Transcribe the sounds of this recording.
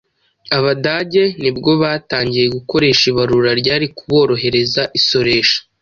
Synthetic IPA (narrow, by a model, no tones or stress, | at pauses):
aβadaɟe̞nibɡo̞βaːtaːɲɟije̞ɡuko̞ɾe̞ːʃiβaɾuːɾaɾɟaːɾikuβo̞ːɾo̞ɦe̞ɾe̞zaʔiso̞ɾe̞ːʃḁ